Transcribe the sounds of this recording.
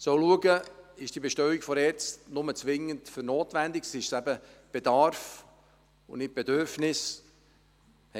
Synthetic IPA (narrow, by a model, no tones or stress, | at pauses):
sɔʊluəɡəɪʃd̥iəbeʃtœɥikfɔɾɛt͡snʊmət͡sʋɪŋəntføɾnoːtʋændiksɪʃsæbəb̥ed̥ɑɾf | ʊnɪt̚b̥edøɾfnɪs | h